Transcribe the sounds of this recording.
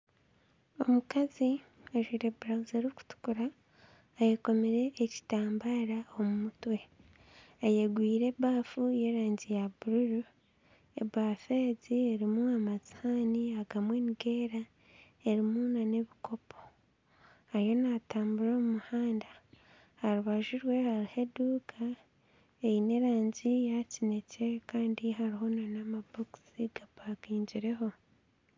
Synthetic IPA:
o̞mukazi | aʒiɾebuɾauzeɾiku̥tu̥kuɾaː | jeko̞meɾe̞ːci̥taːmbaɾao̞mumutwe̞ | ajeɡwiːɾe̞βaːfuje̞ɾaːɲɟijabuɾuɾu | e̞̰βaːfe̞ːzieɾimuamazi̥haniaɡamweniɡe̞ːɾa | e̞ɾimunane̞βiko̞pʰo̞̥ | ajo̞nataːmbuɾo̞ːmumuhaːnda | haɾuβaʒuɾwe̞haɾiheduːkʰa | ejine̞ɾaːɲɟijacine̞ce̞kaːndiɦaɾiɦo̞nanamaboku̥siɡabakiːɲɟiɾe̞ɦo̞

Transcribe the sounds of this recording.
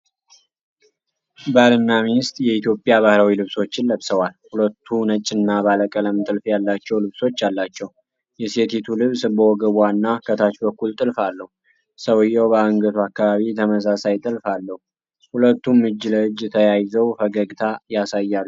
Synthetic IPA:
baɾɨnːaminɪst̪ʼjɛit̪jo̞pʼːjaβahɾawilɨβso̞t͡ʃːɪnləβsəwalhulət̪ʰːunət͡ʃʼːɪnːabaləkʼələmt̪ʼɨlfjalːat͡ʃːɛwlɨβso̞t͡ʃːjalːat͡ʃːɛw | jɛse̞t̪ʰet̪ʰulɨβsbəwɔɡəβwanːakʰət̪ʰat͡ʃbəkːult̪ʼɨlfalːəhu | səwɨjɛwbəaŋɡət̪ʰuakːaβaβit̪ʰəməsasajt̪ʼɨlfalːəhu | hulət̪ːumːɨd͡ʒːləɨd͡ʒːt̪ʰəjajɪzəwfəɡəɡt̪ʰajasajːalː

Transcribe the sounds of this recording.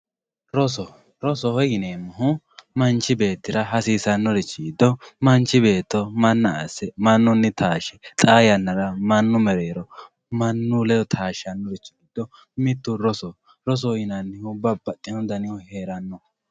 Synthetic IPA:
ɾɔsɔ | ɾɔsɔhɔjɪneːmːɐɦʊ | mɐnt͡ʃːɪbe̞ːt̪ːɪɾɐɦɐsiːsɐnːɔɾɛt͡ʃːɪɡɪd̪ːɔmɐnt͡ʃːɪbe̞ːt̪ːɔmɐnːɐasɛmɐnːɔnːɪt̪ʰaːʃɛt̪ʼaːjɐnːɐɾɐmɐnːʊmɛɾeːɾɔ | mɐnːʊlɛjɔt̪ʰaːʃɐnːɔɾɛt͡ʃːɪɡɪd̪̥ːɔ | mɪt̪ːʊɾɔsɔ | ɾɔs̬ɔhɔjɪnɐnːɪʊbːɐbɐt̪ʼːɪnɔd̪ɐnɪjɔheːɾɐnːɔ

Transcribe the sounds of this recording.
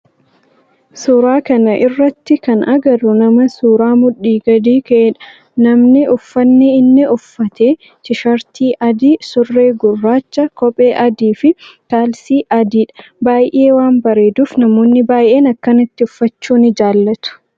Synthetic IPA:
suːɾaːkɐnɐʔɪrːɐt̪ːɪkɐnʔɐɡɐɾʊnɐmɐsuːɾaːmʊᶑːiːɡɐd̪iːkɐʔeᶑɐ̥ | nɐmnɪʊfːɐnːɪɪnːɪʊfːɐt̪eː | t͡ʃɪʃɐɾt̪iːʔɐd̪iːsʊrːe̞ːɡʊrːaːt͡ʃːɐkɔpʼe̞ːʔɐd̪iːfɪt̪aːlsiːʔɐd̪iːᶑɐ̥baːjʔe̞ːwaːmbɐɾe̞ːd̪uːfnɐmo̞ːnːɪbaːjʔe̞ːnɐkːɐnɐt̪ːɪʊfːɐt͡ʃːuːnɪd͡ʒaːlːɐt̪ʊ̥

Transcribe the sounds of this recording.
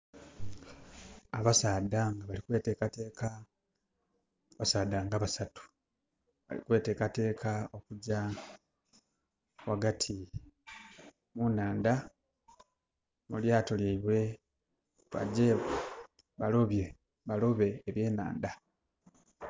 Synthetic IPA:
aβasaːdaŋɡaβalikwe̞ːte̞ːkate̞ːka | βasaːdaŋɡaβasatu̥ | βa̰lḭkwe̞ːte̞ːkate̞ːkʰao̞kuɟa | waɡatʰi | munaːnd̪a | muljaːto̞ljeiβwe̞ | βa̰ɟe̞βe | βalo̞βje̞ | βalo̞βe̞ːβje̞ːna̰ːnd̪a

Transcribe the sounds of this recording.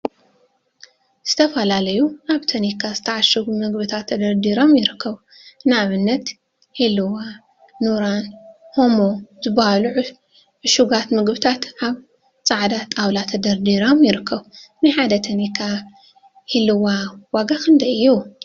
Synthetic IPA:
z̥ɨt̪ʰɐfɐlalɐjuaβt̪ʰɐnikʰazɨt̪ʰɐʕaʃɨɡmɨɡbɨt̪ʰat̪ʰːɐd̪ɐɾd̪iɾomjɪɾɨkʰːɐβ | naβɨnːɐt̪ | hilɨwa | nuɾanho̞mozɨbahaluʕ | ʕɨʃuɡat̪mɨɡbɨt̪ʰat̪ʔaβ | t͡sʼaʕd̪at̪ʼawlat̪ʰɐd̪ɐɾd̪iɾomjɪɾɨkʰːɐβnɨħad̪ɐt̪ʰɐnikʰa | hilɨwawaɡakɨnd̪ɐjɨju

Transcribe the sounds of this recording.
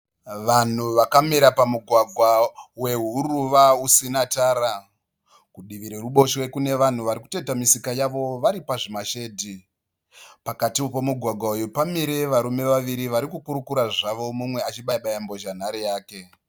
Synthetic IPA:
ʋan̤uʋakamiɾapamuɡʱwaɡʱwawe̞ɦuruʋausinataːɾa | kuɗiʋiɾe̞ruɓo̞ʃwe̞kune̞ʋan̤uʋaɾiku̥te̞tamisikajaʋo̞ʋaɾipaʐimaʃe̞ːdʱi | pakatipomuɡʱwaɡʱwaujupamiɾeʋaɾume̞ʋaʋiɾiʋaɾikukuɾukuɾaʐaʋo̞mumwe̞at͡ʃiɓaɓajambo̞ʒan̤aɾejaːke̞

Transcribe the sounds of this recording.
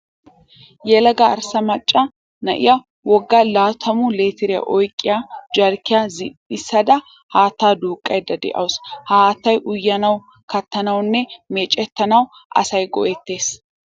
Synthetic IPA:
jɛlɐɡɐɐ̰ɾsɐmɐt͡ʃʼːɐ | nɐ̰ʔɪ̰jɐ | wɔɡːalaːt̪ʰɐmʊleːt̪ɪɾɪjɐ̰ʔɔjkʼːɪjad͡ʒɐɾkɪjazɪɪsːɐd̪ɐ | haːt̪aːd̪uːkʼːɐjd̪ɐd̪ɛ̰ʔɐ̰wshaːt̪ːɐjʔʊjːɐnɐw | kɐt̪ːɐnɐwnːɛmeːt͡ʃʼɛt̪ːɐnɐw | ʔɐ̰sɐjɡɔ̰ʔɛt̪ːe̞ːs

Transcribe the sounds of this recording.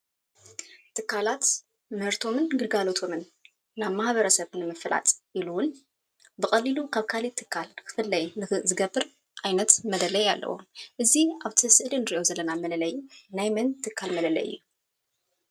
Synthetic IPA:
t̪ʰɨkːalat̪ | mɐɾt̪ʰo̞mɨnɡɨɾɡalo̞t̪ʰo̞mɨnː | aβmaħβɐɾɐsɐβnɨmɐfla̰t̪ʼʔiluwʊn | bɨxʼɐlːilukʰaβkʰalit̪ʰɨkʰːalnkʰɨ̥fɨlːɐjnɨzɨɡɐbːɨɾ | ʔajnɐt̪mɐd̪ɐlɐja̰lːɐ̰wṵʔɨziaβt̪ʰɨsɨʔlinɨɾiʔo̞zɐlːɐnamɐlɐlɐjːunajmɐnt̪ʰːɨkʰːalmɐlɐlɐ̰jɨ̰jːuu

